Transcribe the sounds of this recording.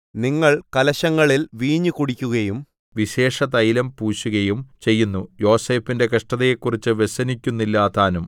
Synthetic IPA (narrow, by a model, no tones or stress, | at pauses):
niŋːɐɭkɐlɐɕɐŋːɐɭilʋiːɲːukuɽikʲːuɣɐjum | ʋiɕe̞ːʂɐt̪ɐjlɐmpuːɕuɣɐjumt͡ɕe̞jːunːujo̞ːse̞ːfinde̞kɐʂʈɐðɐjekːurit͡ɕːɨʋeɕɐnikʲːunːilːaːt̪aːnum